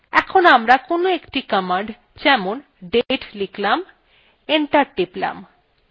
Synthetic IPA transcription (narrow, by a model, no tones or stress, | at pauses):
ɛkʰonamɾakonoekʈikəmaɳɖ | d͡ʑɛmon | ɖeʈliklam | eɳʈaɾʈipla̰m